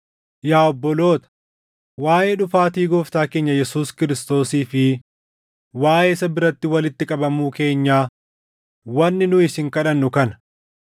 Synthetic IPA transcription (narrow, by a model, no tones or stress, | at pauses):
jaːɔbːɔlo̞ːt̪ɐ̥ | waːjeːᶑʊfaːt̪iːɡoːft̪aːke̞ːɲːɐjɛsuːskɪɾɪst̪o̞ːsiːfɪ | waːje̞ːsɐbɪɾɐt̪ːɪwɐlɪt̪ːɪkʼɐbɐmuːke̞ːɲːaː | wɐnːɪnʊɪsɪŋkɐᶑɐnːʊkɐnɐ̥